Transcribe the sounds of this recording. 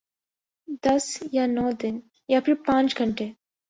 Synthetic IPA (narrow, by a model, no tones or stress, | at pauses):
d̪ɐsjaːnɔːd̪ɪn | jaːpʰipãːnt͡ʃɡʱɐɳʈeː